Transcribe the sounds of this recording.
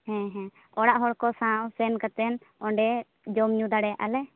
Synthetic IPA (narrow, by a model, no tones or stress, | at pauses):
hɛ̃ɦɛ̃ | ɔɽaʔɦɔɽkɔsãʔsɛnkat̪ɛn | ɔɳɖɛ | d͡ʒɔmɲũd̪aɽɛjaʔalɛ